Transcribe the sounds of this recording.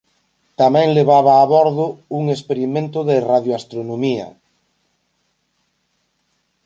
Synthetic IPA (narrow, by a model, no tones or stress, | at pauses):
t̪amɛ̃ŋleβ̞aβaːβɔɾðʊuŋespeɾimẽnt̪ʊðeraðjoast̪ɾonomiɐ̰